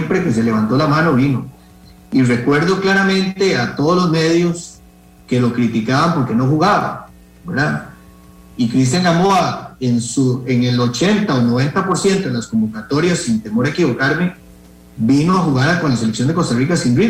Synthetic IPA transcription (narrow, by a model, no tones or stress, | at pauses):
mpɾe̞ke̞s̬e̞le̞β̞ant̪o̞lamano̞βino̞ | ire̞kwe̞ɾðo̞klaɾamẽ̞nt̪eat̪oð̞olozme̞ðjos | ke̞lo̞kɾit̪ikaβampo̞ɾke̞no̞xuɣaβa̰ | beɾða | ikɾis̬t̪jaŋɡamoaensueŋelo̞t͡ʃe̞nt̪aono̞β̞e̞nt̪apo̞ɾsje̞nt̪o̞ðelasko̞mbokat̪o̞ɾjasːint̪e̞mo̞ɾaekiβo̞kaɾme | binoaxuɣaɾako̞nlas̬eleksjond̪eko̞st̪arikasinri